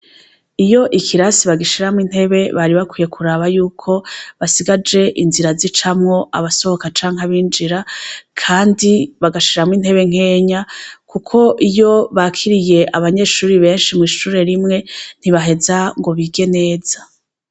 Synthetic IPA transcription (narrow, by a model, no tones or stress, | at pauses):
ijo̞ʔikʰiɾasiβaɡiʃiɾamwin̥he̞βe̞βaɾiβakwiːje̞kʰuɾaβajuːkʰo̞βasiɡad͡ʒe̞ʔinziɾazit͡ʃamŋo̞ʔa̰βaso̞hokat͡ʃaːŋ̥aβiːnd͡ʒiɾakʰaːndiβaɡaʃiɾamwin̥he̞βe̞ŋ̥e̞ːɲakukʰo̞ʔijo̞βaːkʰiɾije̞ʔaβaɲe̞ːʃuːɾiβe̞ːnʃimŋiːʃuːɾe̞ɾimŋe̞n̥iβaɦe̞zaŋɡo̞βiɡe̞ne̞ːz̥a